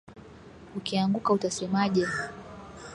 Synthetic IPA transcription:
ukiaŋɡukautasɛmaʄɛ

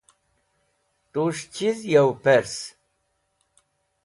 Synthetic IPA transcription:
t̪uʂt͡ɕʰizjawpeɾs

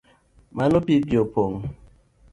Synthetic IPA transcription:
manopibjopoŋ

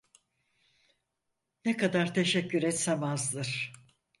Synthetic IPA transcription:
nɛkad̪aɾt̪ʰe̞ʃɛcʰːyɾɛt̪semazd̪ˠɯɾ̥

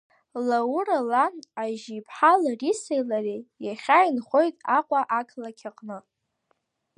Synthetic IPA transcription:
lauralanaʒipʰħalarisejlarejaχʲajinχʷo̞jtʼaqʷʼaʔakʰlakʲʰaqʼnɨ

